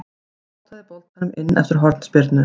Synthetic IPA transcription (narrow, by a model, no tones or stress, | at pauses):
t̪ʰaðɾpɔlt̪̚anʏmɪnːʔɛ̰ft̪ɪɾɦɔɾt̪nspɪɾt̪nʏ